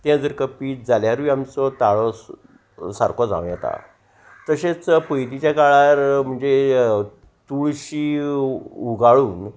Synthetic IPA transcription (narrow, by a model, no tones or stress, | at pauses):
t̪jãd͡zəɾkəpid͡zaljaɾʋiamt͡sɔt̪aɭɔ | saɾkɔd͡zã̰wʋ̃jɛt̪a̰ | t̪əɕet͡spəjd̪it͡ɕjakaɭaɾm̤əɳd͡ze | t̪uɭɕiː | uɡʱaɭuːn